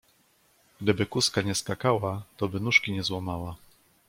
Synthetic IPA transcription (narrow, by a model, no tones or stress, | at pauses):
ɡ̥d̪ɘbɘkuskaɲɛskakawat̪ɔbɘnuʂkʲiɲɛzwɔmawa